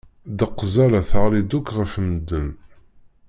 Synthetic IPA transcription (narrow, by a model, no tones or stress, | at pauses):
d̪əqːzælæθəʁlid̪ukːʁəfmd̪ːən